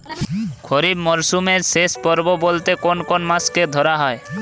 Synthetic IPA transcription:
kʰɔɾibmɔɾsumeɾsespɔɾbobolt̪ekonkonmasked̪ʱɔɾaɦɔe

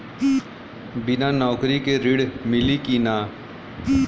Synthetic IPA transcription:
bɪnanɔːkɾikeɾɪɽmɪlikinaː

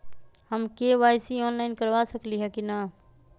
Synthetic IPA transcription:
həmkeʋajsiɔːnlaɪnkəɾʋasəkliɦɛkina

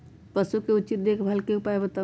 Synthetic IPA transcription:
pəsukeut͡ʃit̪̚d̪ekʰbʱəlkeupaebət̪a

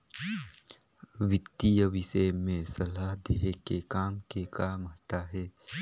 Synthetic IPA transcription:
ʋɪt̪ːijəʋɪʃemẽsɐlaɦd̪eɦekekaːmkekaːmɦat̪aɦɛː

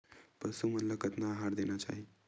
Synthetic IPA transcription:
pəsumət̪ləkət̪naɦaɾd̪enat͡ʃa̰ɦi

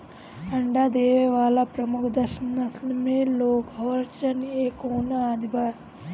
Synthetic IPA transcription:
ɐɳɖaːd̪eːʋeʋaːlapɾɐmukʰd̪ɐʃɐnɐslmeloːkɦoɾt͡ʃɐneːkoːnɐaːd̪iba

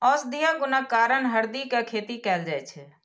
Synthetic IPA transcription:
ɔːsd̪ijãɡʊnakaːɾəɳɦəɾd̪ikakʰeːt̪ikɛːld͡ʒaɛt͡ʃʰɛ

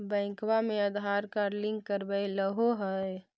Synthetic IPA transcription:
bɛ̃ːkwamẽəd̪ɦaːɾkaɾlɪ̃ŋɡkːəɾbəeləɦoɦɛ

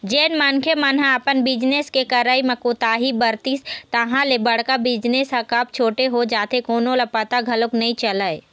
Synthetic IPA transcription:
d͡ʒeːnmankʰemanɦãapənbɪd͡ʒneskekɐɾaːimẽkot̪aːɦibəɾt̪iːst̪ɐɦãlebɐɽ̤kabɪd͡ʒnesakap̚t͡ʃʰoːʈeɦod͡ʒaːt̪ʰekoːnõlapɐt̪aɡʱɐloknɐĩt͡ʃɐlae

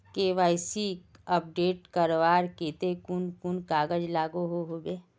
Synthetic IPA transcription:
keʋaːɪsiəp̚ɖeːʈkəɾʋaːɾkeːt̪ekʊnkʊnkaːɡəd͡ʒlaːɡoɦoɦoːbeː

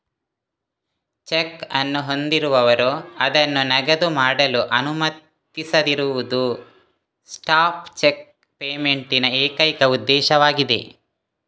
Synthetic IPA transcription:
t͡ʃekɐnːuɦo̞nd̪iɾuʋɐʋɐɾuɐd̪ɐnːunɐɡɐd̪umaːɽɐluʔɐnumɐt̪ː | isɐd̪iɾuʋud̪u | sʈaːpt͡ʃek̚ | peːmeɳʈinɐeːkɐjkɐud̪ːɛːʃɐʋaːɡid̪e̞̰

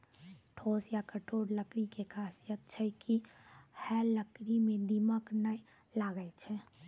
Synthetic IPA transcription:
ʈʰoːsjakəʈʰoːɽləkɾikekʰaːsijət̪̚t͡ʃʰɛkihɛləkɾimẽd̪iməknəj | laːɡəɛt͡ʃʰɛ

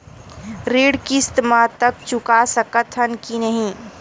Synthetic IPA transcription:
ɾeːɽkist̪mãt̪ək̚t͡ʃʊkasəkət̪ʰənkinəɦĩː

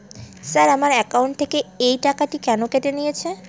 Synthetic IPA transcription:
saɾamaɾɛkawɳʈ̚t̪ʰekeejʈakaʈikɛnokeʈenijet͡ʃʰe

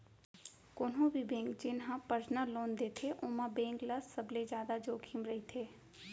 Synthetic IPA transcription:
kʊːnɦõbʱibẽːŋkd͡ʒɪnɦãpəɾsnəlːoːnd̪eːt̪ʰeʔʊːmãbẽːŋɡləsːəbled͡ʒjaːd̪ad͡ʒoːkʰimɾɐit̪ʰeː

